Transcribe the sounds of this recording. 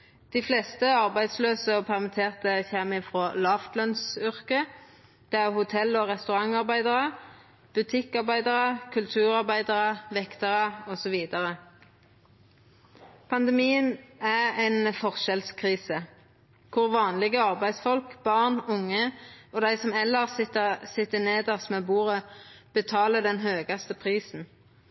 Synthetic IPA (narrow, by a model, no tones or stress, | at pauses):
d̪̥ifleːst̪əɑʁbæɪd̪sløːsəɔpʰæʁmɪt̪ʰeːʁt̪əçɛmɪfʁoːlɑːft̪lœnsʏʁkə | d̪̥ɛːæʁhʊt̪ʰɛlːɔʁɛst̪ʉʁɑŋɑʁbæɪd̪əʁə | b̥ʉt̪ʰɪkːɑʁbæɪd̪əʁəkʰʉlt̪ʰʉːʁɑʁbæɪd̪əʁəʋɛkt̪əʁəɔsɔʋiːd̪əʁə | pʰɑnd̪ɛmiːənææɪnfɔʁʃɛlskʰʁiːsə | kʰʊʁʋɑːnlɪɡəɑʁbæɪsfɔlkb̥ɑʁnʊŋːəɔd̪æɪsɔmɛlːəʁsɪt̪ːəsɪt̪ːəneːd̪æʁsmeːbuːʁəb̥ət̪ʰɑːləd̪ɛnɦøːɡɑst̪əpʰʁiːsn̩